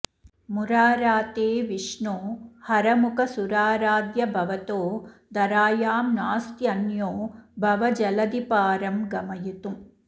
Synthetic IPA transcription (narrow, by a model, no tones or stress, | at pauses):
muɾaːɾaːt̪eːʋiʂɳoːhɐɾɐmukʰɐsuɾaːɾaːd̪jɐbʱɐʋɐt̪oːd̪ɐɾaːjaːmnaːst̪jɐnjoːbʱɐʋɐd͡ʒɐlɐd̪ipaːɾɐmɡɐmɐjit̪u